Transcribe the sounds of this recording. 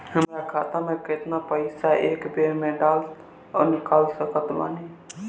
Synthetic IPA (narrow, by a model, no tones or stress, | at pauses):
ɦəmɾakʰat̪ameket̪napəɪsaʔekbeɾmeɖal | ɔnikalsəkət̪ba̰ne